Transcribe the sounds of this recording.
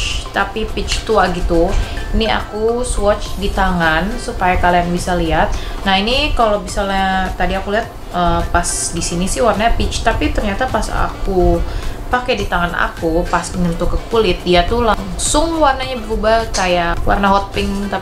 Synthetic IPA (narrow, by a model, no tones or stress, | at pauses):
t̪apipɪt͡ʃt̪uaɡit̪uinia̰kuswɔt͡ʃdit̪aŋansupajakalajaŋbisaliɦat̪̚nainikalobisalat̪ːadiakuliɦat̪̚ʔəpasdisinisɪhwarnaɲapɪt͡ʃt̪apit̪ərɲat̪apasa̰kupakɛdit̪aŋana̰kupasəŋənt̪ʊkːəkulɪt̪̚diat̪ulaŋsʊŋwarnaɲabəɾubakajaʔwa̰rnaɦɔt̪̚pɪŋt̪a